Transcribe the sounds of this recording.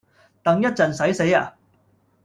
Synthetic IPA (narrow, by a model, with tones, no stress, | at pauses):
t̪ɐ˨ŋjɐ˥t̚t͡sɐ˨nsɐ˨˥jse˨˥jaː˧